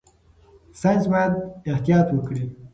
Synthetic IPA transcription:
sand͡ʒbɑjad̪̚ɪht̪ijɑt̪wəkɽi

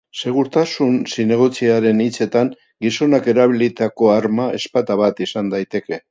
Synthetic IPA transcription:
se̞ɣ̞uɾt̪asunsine̞ɣ̞ot͡siaɾe̞nit͡se̞t̪aŋ | ɡiso̞nake̞ɾaβilit̪ako̞aɾmae̞spat̪aβat̪isand̪ajt̪e̞ke̞

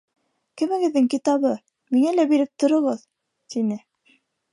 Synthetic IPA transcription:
kɘ̆mɘ̆ɡɘ̆ðːɘŋkit̪ɑβɤ | miŋælæbiɾɘp̚t̪ŏɾŏʁɤð | t̪inɘ

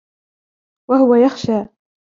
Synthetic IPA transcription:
wahʊwajaxʃaː

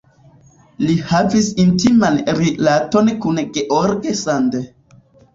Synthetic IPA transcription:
lihavisintimanɾilato̞nkunɡeʔoɾɡesand

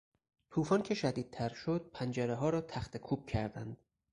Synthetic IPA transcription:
t̪ʰuːfɒːncʰe̞ʃæd̪iːd̪̚t̪ʰæɾʃod̪̥̚pʰænd͡ʒæɾeɦɒːɾɒːt̪ʰæxt̪ʰekʰuːb̚cʰæɾd̪ænd̪̥

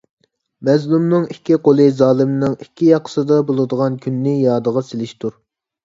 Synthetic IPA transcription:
mɛzlumnɨŋikʲːiqolˠɨzɑːlˠɨmnɪŋikʲːijɑqʰə̥sɨd̪ɑbolˠɨd̪əʁɑnkʲʰynːɪjɑːd̪əʁɑsɪlɪʃt̪ʰuɾ

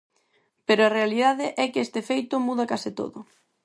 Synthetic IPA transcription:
peɾoɐrealiðaðɪʔɛkɛst̪ɪefejt̪ʊmuðɐkasɪt̪o̰ðʊ̰

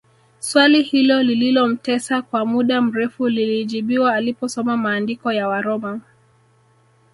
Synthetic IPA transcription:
swalihilɔlililɔm̩tɛsakwamuɗam̩ɾɛfuliliʄiɓiwaːlipɔsɔmamaːndikɔjawaɾɔma

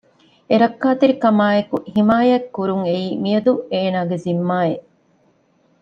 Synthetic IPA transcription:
eɾɐkːaːt̪iɾikɐmaːekuhimaːjɐkːuɾuŋeiːmijɐd̪ueːnaːɡezimːaːeʔ

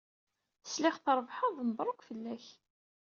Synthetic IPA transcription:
θəslɪχθɾˤvħɑðˤnəbˤɾˤokʷfəlːæç

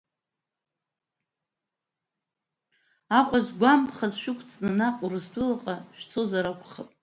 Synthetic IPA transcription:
aqʷʼazɡʷampʰχazʃᶣʊkʷʰʼt͡sʼnɨnaqʼurɨzdʷʊlaqʼaʃᶣt͡sʰozaɾakʷʰʼχapʼ

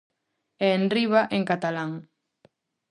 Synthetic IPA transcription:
eːnriβaʔeŋkat̪alaŋ

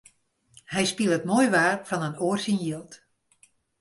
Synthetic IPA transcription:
hɛjspilˠətmoːjʋaːrfɔnənoːrsinjiəlˠt

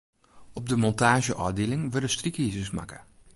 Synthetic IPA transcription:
ɔb̚dəmɔntaːʒəʔɔːdeːlɪŋʋørdəstrikiːzəsma̰kə

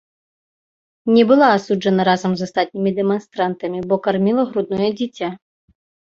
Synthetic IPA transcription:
nʲɛbɨlˠaːsud͡ʐɐnɐɾazɐmzast̪at̪̚ʲnʲimʲid̪ɛmɐnst̪ɾant̪ɐmʲibɔkarmʲilˠɐɣɾud̪̚nɔjɛd͡zʲit͡sʲa

